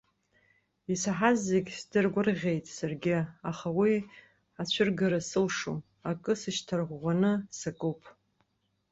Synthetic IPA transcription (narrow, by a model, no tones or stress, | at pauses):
isaħazːeɡʲsdɨrɡʷʊrʁʲejtʼsarɡʲɪaχawi | at͡ɕʷʰʊrɡaɾasɨlʂo | akʼɨsɨʃtʰarʁʷʁʷanɨsakʼowpʼ